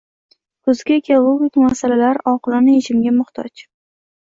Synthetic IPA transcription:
kʰʊzɡʲaekʲʰalʊɡɪkʲmasalalaɾɒqɨlˠɪnɪeʃɪmɡʲamʊχt̪ʰɒ̰t͡ʃ

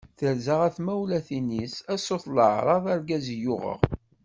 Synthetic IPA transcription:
θəɾzəʁæθmæwlæθinisæsoθləʕɾˤɑðˤɑɾɡæzjʊʁə̰ʁ

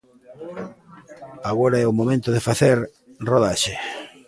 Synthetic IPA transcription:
aɣoɾaɛomomẽnt̪oðefaθeɾ | roð̞aʃe

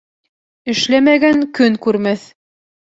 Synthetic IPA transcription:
ɘ̆ʃlæmæɡæŋkɵŋkʉɾmæθ

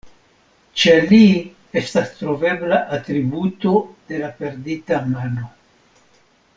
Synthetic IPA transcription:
t͡ʃe̞li | e̞stastɾo̞ve̞blaʔatɾibuto̞d̥e̞lape̞ɾditamano̞

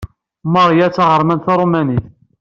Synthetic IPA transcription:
məɾˤjæt͡sːɑʁəɾˤmænθɑɾˤomæniθ

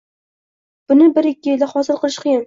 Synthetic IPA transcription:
b̥ʊnɪbɪɾɪkʲːɪjɪld̪aχɒzɪɾqʰɨlˠɪʃqʰɨjɪn

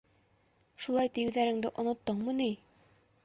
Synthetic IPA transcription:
ʃulˠɑjt̪ɘ̆jɘ̆wðæɾɘ̆ŋd̪ɘʔŏnŏt̪ːɤɴmɤni

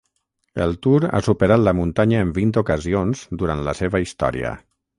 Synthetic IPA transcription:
ə̰lˠt̪uɾa̰supəɾat̪ləmunt̪aɲəːmbint̪ukəzionz̥d̪uɾant̪ləseβəist̪ɔ̰ɾḭə̰

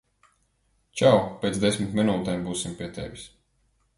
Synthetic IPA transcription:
t͡ʃawpʲeːt̪sd̪esʲmit̪mʲinuːt̪ɛmbuːsimpʲiɛt̪ḛvʲis

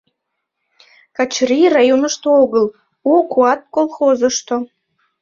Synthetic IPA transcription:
kɑt͡ɕrirɑjonəʃt̪ooɣəl | ukuɑt̪̚kolˠxozəʃt̪o

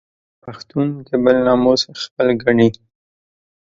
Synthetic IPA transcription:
paxt̪und̪əbalnɑmosaxpəlɡaɳi

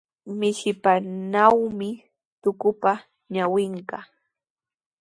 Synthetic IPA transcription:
mɪʃɪpanawmɪ | t̪ʊkʊpa | ɲawɪɴɢɑ

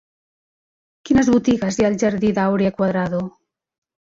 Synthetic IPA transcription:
kinəzβut̪iɣazjaːlʲˠʒaɾðiðawɾiakwaðɾaðo

